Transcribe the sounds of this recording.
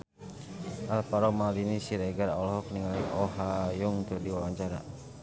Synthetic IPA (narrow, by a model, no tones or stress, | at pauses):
ʔalpaɾɔmalinisiɾɛɡaɾɔlhɔk̚niŋaliʔɔɦajuŋk̪ədiwawaɲt͡ʃaɾa̰